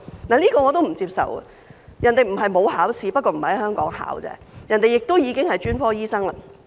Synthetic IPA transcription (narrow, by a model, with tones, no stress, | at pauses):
naː˨˩liː˥kɔː˧ŋɔː˨˧t̪o˥wm̩˨˩t͡siː˧p̚sɐ̰˨wɐ̰˨ | jɐ˨˩nt̪e˨jm̩˨˩ɦɐ˨jmo˨˧whaː˨˥wsiː˨˧pɐ˥t̚kɔː˧m̩˨˩hɐ˨˩hɐ˨˦˥hœː˥ŋkɔː˨˥ŋha̰ː˨˥wt͡sɛ̰ː˦˥jɐ˨˩nt̪e˨jɪ˨k̚t̪o˥wjiː˨˧kɪ˥ŋhɐ˨jt͡ʃyː˥nfɔː˥jiː˥sɐ˥ŋlaː˧